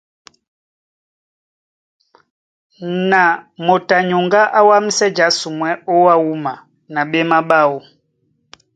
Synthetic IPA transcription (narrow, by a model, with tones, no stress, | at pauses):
na˨mɔ˨ta˨ɲu˨ŋɡa˦ʔa˦wa˦mi˦sɛ˦d͡ʒa˦su˨mwɛ˦ɔ˦wa˦u˦ma˨ | na˨ɓɛ˦ma˦ɓa˦wɔ˦